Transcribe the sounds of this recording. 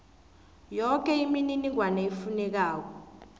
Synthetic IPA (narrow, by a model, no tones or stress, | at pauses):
jɔk̬ɛimininiwanaifunɛk̬aːk̬ɔ